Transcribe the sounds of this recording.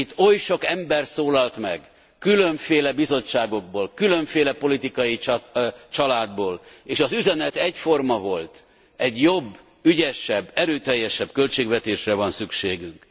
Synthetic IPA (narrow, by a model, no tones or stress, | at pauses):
it̪ːo̞jʃo̞kɛmbɛrsoːlɒlt̪mɛ̰ɡ | kyløɱfeːlɛbizo̞t͡ʃːaːɡo̞ɡ̚boːlkyløɱfeːlɛpo̞lit̪ikɒji | t͡ʃɒlaːd̪̚boːleːʃɒzyzɛnɛt̪ɛɟfo̞rmɒvo̞lt̪ | ɛɟjo̞bː | yɟɛʃɛbːɛɾøːt̪ɛjːɛʃɛbkø̞lt͡ʃeːɡvɛt̪eːʃrɛvɒnsykʃeːɡyŋk